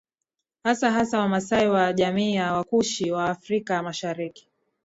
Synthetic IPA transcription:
hasaɦasawamasaiwaʄamiːjawakuʃiwaːfɾikamaʃaɾiki̥

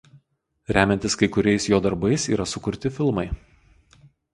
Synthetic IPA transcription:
ɾʲæːmʲɛnʲt̪ʲɪskɐɪkʊɾʲɛɪsjoːd̪ɐɾbɐɪsiːɾɐsʊkʊɾʲt̪ʲɪfʲɪlˠmɐɪ

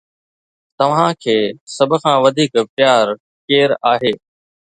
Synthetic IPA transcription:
t̪ɐʋ̤ãkʰeːsɐbʱʊ̆kʰãːʋɐd̪ʱiːkpɪjaːɾ | keːɾaːɦeː

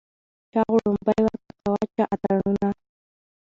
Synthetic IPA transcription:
t͡ʃɑɢʊɾʊmpajwak̪akawat͡ʃaʔat̪aɾnʊna

